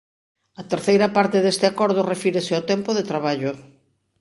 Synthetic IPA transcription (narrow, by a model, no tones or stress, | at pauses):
ɐt̪eɾθejɾɐpaɾt̪ɪðest̪ɪakɔɾð̞ʊrefiɾesɪot̪ɛmpʊðet̪ɾaβaʎʊ